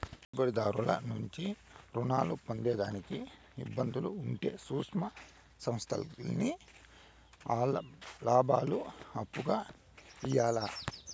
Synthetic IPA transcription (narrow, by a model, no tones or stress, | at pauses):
ibɐɾid̪aːɾulɐ̰nuɲt͡ʃi | ɾunaːlupond̪ɛːd̪aːniki | ḭbːɐnd̪uluːɳʈe̞̰ːsuːkʂmɐ | sɐmst̪ʰɐ̰lni | aːlɐlaːbʱaːluɐpːuɡaː | ijaːlaː